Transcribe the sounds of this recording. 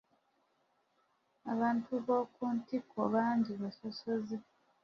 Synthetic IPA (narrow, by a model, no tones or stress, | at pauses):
aβaːntʰuβo̞ːkuːntikʰoβaːɲɟiβaso̞sozi